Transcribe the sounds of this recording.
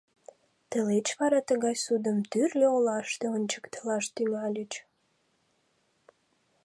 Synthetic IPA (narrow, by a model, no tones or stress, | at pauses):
t̪əlet͡ɕβɑɾɑt̪əɣɑjsud̪əmt̪yrlʲeolɑʃt̪eənʲt͡ɕə̥kt̪əlɑʃt̪ymɑlʲət͡ɕ